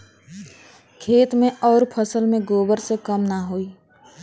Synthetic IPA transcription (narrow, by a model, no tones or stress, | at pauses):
kʰeːt̪mẽɔːɾpʰəsəlmẽɡoːbəɾsekəmnaɦoːiː